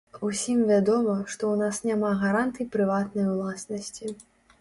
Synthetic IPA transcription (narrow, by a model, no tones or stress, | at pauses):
usʲimvʲad̪ɔmɐʂt̪ɔwnasnʲamaɣaɾant̪ɨjipɾɨvat̪nɐjwlˠasnɐsʲt͡sʲi